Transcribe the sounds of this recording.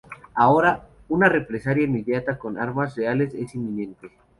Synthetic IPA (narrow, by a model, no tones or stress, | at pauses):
ao̞ɾa | unare̞pɾesaɾjainmːeðjat̪ako̞na̰ɾmasre̞ale̞se̞simːĩnẽ̞nt̪e̞